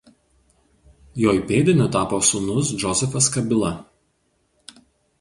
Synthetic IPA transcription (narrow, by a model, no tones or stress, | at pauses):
joːjpʲeːd̪ʲɪnʲʊt̪ɑːpoːsʊnʊs̬d͡ʒɔzʲɛfɐskɐbʲɪlˠɐ